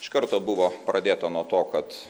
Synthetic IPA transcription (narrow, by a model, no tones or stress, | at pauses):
ɪʃkɐɾt̪oːbʊʋoːpɾɐd̪ʲeːt̪ɐnuɔt̪oːkɐt̪